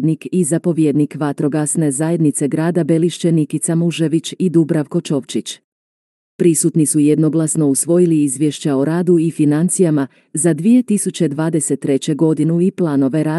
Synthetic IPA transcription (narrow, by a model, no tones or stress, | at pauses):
d̪nikizapo̞ʋjed̪nikʋat̪ɾo̞ɡasne̞zaje̞d̪nit̪se̞ɡɾaːd̪abe̞liʃt͡ɕe̞nikit̪samuʒe̞ʋit͡ɕid̪ubɾaʋko̞t͡ʃo̞ʋt͡ʃit͡ɕ | pɾisut̪nisuje̞d̪no̞ɡlˠasno̞usʋo̞jiliizʋjeʃt͡ɕaoɾaːd̪uifinant̪sijama | zad̪ʋije̞t̪isut͡ɕe̞d̪ʋaːd̪e̞se̞t̪ːɾe̞t͡ɕe̞ɡo̞d̪inuiplˠaːno̞ʋe̞ɾaː